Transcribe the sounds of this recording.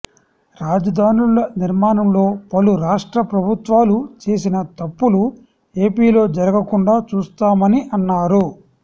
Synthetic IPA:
ɾaːd͡ʒɐd̪ʱaːnulɐniɾmaːnɐmlo̞ːpɐluɾaːʂʈɾɐpɾɐbʱut̪ʋaːlut͡ʃe̞ːs̬inɐt̪ɐpːulu | e̞ːpiːlo̞ːd͡ʒɐɾɐɡɐkuɳɖaːt͡ʃuːst̪aːmɐniʔɐnːaːɾu

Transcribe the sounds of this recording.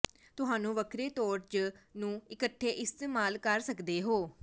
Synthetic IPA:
t̪ʊɦaːnũːʋəkʰɾeːt̪ɔːɾt͡ʃnũːɪkəʈʰːeːʔɪst̪eːmaːlkəɾsəkd̪eːɦoː

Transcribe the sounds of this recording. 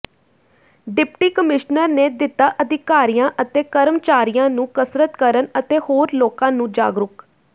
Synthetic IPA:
ɖɪpʈiːkəmɪʃnəɾneːd̪ɪt̪aːʔəd̪ɪkaːɾijãːʔət̪eːkəɾəmt͡ʃaːɾijãːnũːkəsɾət̪kəɾənət̪eːhoːɾloːkãːnũːd͡ʒa̰ːɡɾʊk

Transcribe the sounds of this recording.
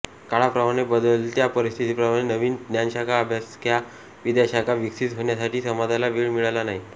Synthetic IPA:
kaɭapɾəmaɽ̃ebəd̪əlt̪japəɾist̪ʰit̪iːpɾəmaɽ̃enəʋiːndnjanɕakʰaəbʱjaskja | ʋid̪jaɕakʰaʋiksit̪ɦoɳjasaʈiːsəmad͡zalaʋiːɭmiɭalanaɦi

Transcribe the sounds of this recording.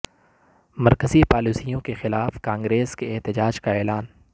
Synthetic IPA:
mɐɾkəzipaːluːsijõkexɪlaːfkãːŋɡɾeːskeːɦt̪ɪd͡ʒaːd͡ʒkaɛːlaːn

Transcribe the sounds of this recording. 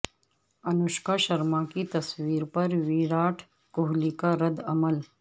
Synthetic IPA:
ɐnʊʃkaʃɐɾmakit̪ɐswiːɾpɐɾʋiːɾaːʈʰ | kʊɦlikaɾɐd̪ɐməl

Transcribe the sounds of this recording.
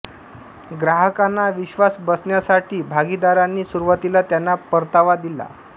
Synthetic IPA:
ɡɾaɦəkanːaʋiɕʋasbəsɳjasaʈʰiːbʱaɡid̪aɾanːiːsuɾuʋət̪ilat̪janːapəɾt̪aʋad̪ila̰

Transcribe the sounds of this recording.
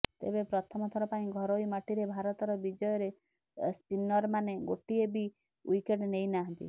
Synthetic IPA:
t̪ḛbepɾɔt̪ʰɔmɔt̪ʰɔɾɔpaĩɡʱɔɾɔimaʈiɾebʱaɾɔt̪ɔɾɔbid͡ʒɔjɔɾe | spinɔɾmaneɡoʈiebi | ujkeʈnejnaɦɔnt̪ḭ

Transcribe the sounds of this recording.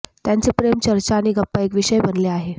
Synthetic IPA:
t̪jant͡sepɾemt͡ɕəɾt͡ɕaːɽ̃iɡəpːaekʋiʂəjbənleaɦe

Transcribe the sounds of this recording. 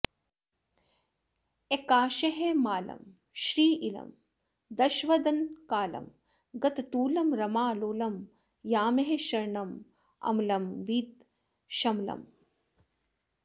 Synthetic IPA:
ekaːʃɐɦemaːlɐ̰m | ʃɾiːʔilɐ̰m | d̪ɐʃʋɐd̪ɐnkaːlɐ̰m | ɡɐt̪t̪uːlɐmɾɐmaːloːlɐm | jaːmeɦeʃɐɾɳɐm | ɐ̰mlɐmʋiːt̪̚ | ʃɐmlɐ̰m

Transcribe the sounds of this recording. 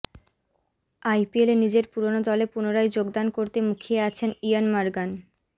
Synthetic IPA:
ajpielenid͡ʑeɾpuɾonod̪ɔlepunoɾajd͡ʑoɡd̪ankoɾt̪emukʰieat͡ɕʰenijanmaɾɡan

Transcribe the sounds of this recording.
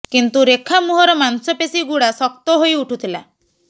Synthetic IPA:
kint̪uɾekʰamuɦɔɾɔmansɔpesiɡuɽasɔk̚t̪ɔɦojuʈʰut̪ʰila

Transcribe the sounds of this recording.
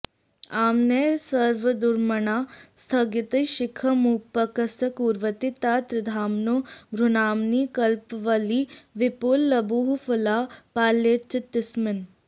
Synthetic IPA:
aːmneːsɐɾʋɐd̪uɾmɐɳaːst̪ʰɐɡit̪ɐjʃɪkʰɐmuːpːɐkɐsɐkuːɾʋɐt̪it̪aːt̪ɾɐd̪ʱaːmnobʱɾunaːmniːkɐlpʋɐliːʋɪpulːɐbuɦfulaːpaːlːet͡ʃɐt̪ːɪsmɪn

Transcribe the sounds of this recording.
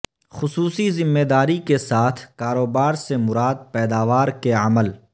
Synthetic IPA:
xʊsuːsizɪmːeːd̪aːɾikesaːt̪ʰkaːɾoːbaːɾsemʊɾaːd̪̚pɛːd̪aːʋaːɾkeɐməl

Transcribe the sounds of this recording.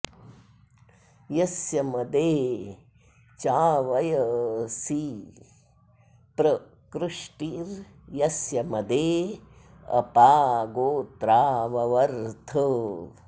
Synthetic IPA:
jɐsjɐmɐd̪eː | t͡ʃaːʋɐjɐsi | pɾɐ | kɾɨʂʈiɾ | jɐsjɐmɐd̪eː | ɐ̰paːɡoːt̪ɾaːʋɐʋɐɾt̪ʰə

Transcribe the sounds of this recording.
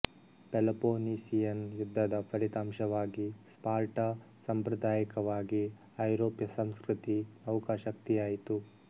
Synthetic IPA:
pelɐpoːnisijɐnjud̪ʱːɐd̪ɐpʰɐɾit̪aːmʃɐʋaːɡispaːɾʈɐ | sɐmpɾɐd̪ʱaːjikɐʋaːɡi | ɐjɾoːpjɐsɐmskɾut̪iɐwkaːʃɐk̚t̪ijaːjit̪u

